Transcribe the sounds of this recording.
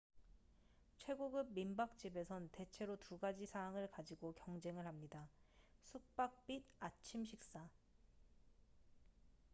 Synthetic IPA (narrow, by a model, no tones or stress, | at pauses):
t͡ɕʰwe̞ɡoɡɯb̚mimbak̚t͡ɕ͈ibe̞sʰʌnte̞t͡ɕʰe̞ɾotuɡad͡ʑisʰaːŋɯɭkad͡ʑiɡokjʌŋd͡ʑe̞ŋɯɭhamɲidasʰuk̚p͈ak̚p͈idat͡ɕʰimɕ̬ʰik̚s͈a